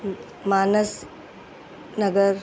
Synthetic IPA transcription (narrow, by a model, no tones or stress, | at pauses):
maːnəs | nəɡəɾ